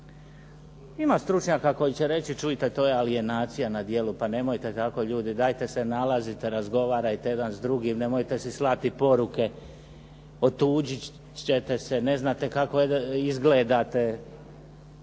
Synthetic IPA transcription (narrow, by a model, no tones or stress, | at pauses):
imast̪ɾut͡ʃɲakako̞jit͡ɕe̞ɾe̞t͡ɕit͡ʃuit̪e̞t̪o̞ːjealie̞naːt̪sijanad̪je̞lupane̞mo̞jt̪et̪ako̞ʎuːd̪id̪aːjt̪e̞senalazit̪eɾazɡo̞ʋaːɾajt̪eje̞d̪anzd̪ɾuɡimne̞mo̞jt̪e̞sislˠat̪ipo̞ɾuke̞ | o̞t̪uːd͡ʑi | t͡ɕet̪e̞sene̞znat̪e̞kako̞izɡleːd̪at̪e̞